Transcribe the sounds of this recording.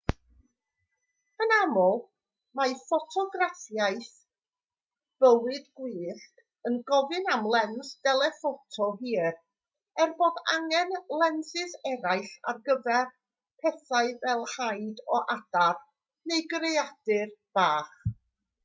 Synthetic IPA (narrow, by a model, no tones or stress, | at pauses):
ənamɔlˠ | majfɔtʰɔɡraθjajθ | b̥əwɨdɡwiːɬk | ənɡɔvɨnamlˠɛnsd̥ɛlˠɛfotʰɔɦiːr | ɛrboːdaŋɛnlˠɛnsɪsɛɾaɨɬa̰rɡəvɛr | pʰɛθaɨvɛlˠhajdɔʔad̥ar | nejɡrejad̥ɨrb̥aːχ